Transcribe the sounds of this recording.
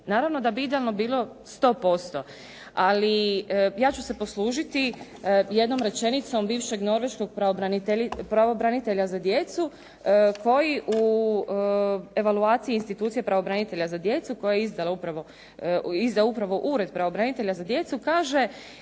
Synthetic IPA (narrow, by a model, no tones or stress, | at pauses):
naːɾaʋno̞d̪abiid̪ealnobiːlˠo̞ | st̪o̞ːpo̞st̪o̞ | alijaːt͡ɕuse̞po̞sluːʒit̪i | je̞d̪no̞mɾe̞t͡ʃe̞nit̪so̞mbiːʋʃe̞ɡno̞ɾʋe̞ʃko̞ɡ̚pɾaobɾaniepɾaʋo̞bɾanit̪eʎazad̪je̞t̪su | ko̞jiʔu | e̞ʋaluaːt̪siiːnst̪it̪uːt̪sijepɾaʋo̞bɾanit̪e̞ʎazad̪je̞t̪suko̞jajeizd̪alaupɾaʋo | izd̪aupɾaʋo̞ʔuːɾe̞d̪̚pɾaʋobɾanit̪e̞ʎazad̪je̞t̪sukaːʒe